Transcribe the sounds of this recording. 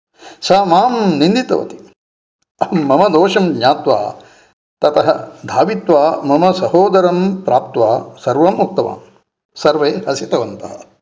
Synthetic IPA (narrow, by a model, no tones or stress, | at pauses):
sɐːmaːmnĩnd̪it̪ɐ̰ʋɐ̰t̪i̥ | ɐmːɐmɐd̪oːʃɐmdɲaːt̪ʋa̰ː | t̪ɐt̪ɐɦɐ̰d̪ʱaːʋit̪ʋaːmɐmɐsɐhoːd̪ɐɾɐmpɾʔaːp̚t̪ʋaːsɐɾʋɐmːuk̚t̪ɐʋa̰ːm | sɐɾʋeːɦɐsit̪ɐʋɐnt̪ɐɦɐ̰̆